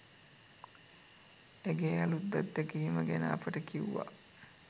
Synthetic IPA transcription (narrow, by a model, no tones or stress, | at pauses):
eɡeːalut̪̚d̪ad̪ːəkiːməɡɛnəapəʈəkiuʋa̰